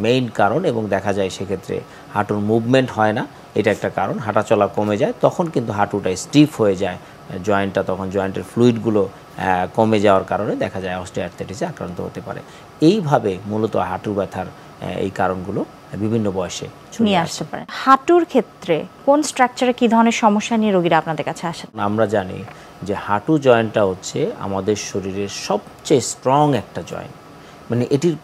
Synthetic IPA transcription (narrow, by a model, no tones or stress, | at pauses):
mejnkaɾoneboŋd̪ɛkʰad͡ʑaeʃekʰet̪ːɾḛ | haʈuɾmubmeɳʈɦɔena | ejʈaɛk̚ʈakaɾonɦaʈat͡ɕɔlakomed͡ʑaet̪ɔkʰonkint̪uɦaʈuʈaesʈifʰɦoed͡ʑae | d͡ʑɔenʈːat̪ɔkʰond͡ʑɔeɳʈeɾfluiʈɡulo | komed͡ʑaoaɾkaɾoned̪ɛkʰad͡ʑaeɔsʈiaʈt̪ʰeʈiseakɾa̰nt̪o̰ɦo̰t̪epa̰ɾḛ | ejbʱabemulot̪o̰ɦaʈubɛt̪ʰaɾ | ḛjkaɾonɡulo | bibʱinːobɔeʃḛ | unieaʃt̪epa̰ɾḛhaʈuɾkʰet̪ːɾekonsʈɾak̚t͡ɕaɾekid̪ʱɔɾoneɾʃɔmoʃːanieɾoɡiɾaapnad̪eɾkat͡ɕʰeaʃennamɾad͡ʑanḭ | d͡ʑehaʈud͡ʑɔenʈaɦotːɕʰea̰mad̪eɾʃoɾiɾeɾʃɔb | t͡ɕajsʈɾɔŋɛk̚ʈad͡ʑɔ̰ḛn | maneʔeʈiɾ